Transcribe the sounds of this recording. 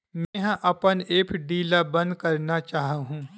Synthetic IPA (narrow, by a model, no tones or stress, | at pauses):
mɛ̃ɦʔɐpəneːpʰɖiːlabɐ̃nd̪kɐɾnat͡ʃaːɦɦũː